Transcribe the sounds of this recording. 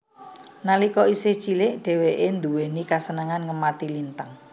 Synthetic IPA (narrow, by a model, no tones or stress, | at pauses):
nalikɔiset͡ʃilɪʔɖ̥ɛ̤weʔend̪uwenikasənəŋanŋəmat̪ilint̪əŋ